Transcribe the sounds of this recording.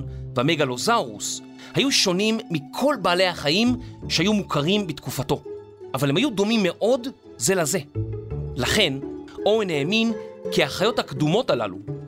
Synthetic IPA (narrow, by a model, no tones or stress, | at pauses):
veameɡalo̞zaʁṵs | hajuʃo̞nimːikʰo̞lbaːle̞jhaχajimʃehajumukʰaʁimbitkufato̞ | ʔavalhemhajudo̞mimːe̞ʔo̞d | ze̞laze̞ | laχe̞no̞eneːminkiaχajo̞thakdumo̞tala̰lṵ